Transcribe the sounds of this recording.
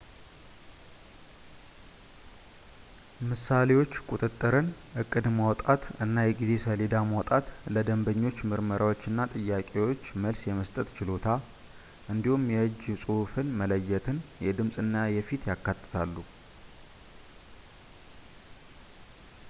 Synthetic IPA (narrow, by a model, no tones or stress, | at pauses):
mɨsalewo̞t͡ʃːkʼut̪ʼɨt̪ʼːɨɾɨnʔɨkʼːɨd̪mawt̪ʼat̪ɨnːajɛɡize̞səled̪amawt̪ʼat̪ləd̪əmbəɲːo̞t͡ʃːmɨɾməɾʔawo̞t͡ʃːɨnːat̪ʼɨjːakʼe̞wo̞t͡ʃːməlsjɛməst̪ʼət̪t͡ʃɪlo̞t̪ʰa | ʔɨnd̪ihumjɛɨd͡ʒsʼuhfɨnmələjːɛt̪ʰɨnjɛd̪ɨmsʼɨnːajɛfit̪jakːat̪ʼːɨ̥t̪ʰalːu